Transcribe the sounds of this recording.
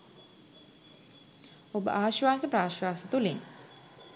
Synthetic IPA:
obə̰ʔaːʃʋaːsəpɾaːʃwaːsət̪uleŋ

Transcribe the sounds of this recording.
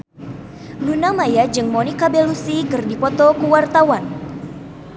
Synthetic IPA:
lunamajad͡ʒɨŋmonikabelusikɨrdipɔt̪ɔkuwart̪awan

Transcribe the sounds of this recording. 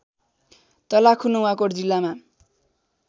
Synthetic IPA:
t̪ʌlakʰunowakoɽd͡zilːama

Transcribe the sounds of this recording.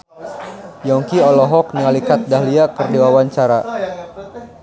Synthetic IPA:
jɔŋkiɔlɔɦɔk̚niŋalikat̪̚daɦliakɨrdiwawaɲt͡ʃaɾa

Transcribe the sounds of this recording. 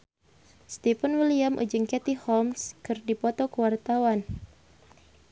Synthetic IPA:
st̪ifənwiliamʔṵd͡ʒɨŋkɛt̪ihɔmskɨrdipɔt̪ɔkəwart̪awan

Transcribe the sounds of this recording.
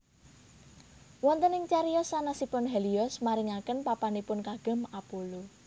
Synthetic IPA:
wɔnt̪ənɪŋt͡ʃaɾiɔsanasipʊnɦɛliɔsmaɾɪŋakənpapanipʊnkaɡ̥ə̤mapulo

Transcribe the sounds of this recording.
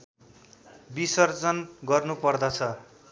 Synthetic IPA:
bisʌrd͡zʌnɡʌrnupʌrd̪ʌt͡sʰʌ

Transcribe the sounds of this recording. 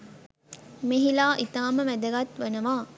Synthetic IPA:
meɦilaːʔit̪aːməʋæd̪ɐɡat̪ʋənəʋaː

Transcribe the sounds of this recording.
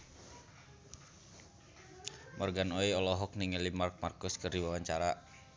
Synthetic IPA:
mɔrɡanoiɔlɔɦɔk̚niŋəlimark̚markʊskɨrdiwawaɲt͡ʃaɾa

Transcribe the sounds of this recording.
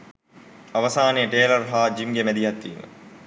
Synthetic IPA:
aʋɐsaːnejəʈeːlɐrɦaːd͡ʒimɡemæd̪iɦɐt̪ːiːmə̰

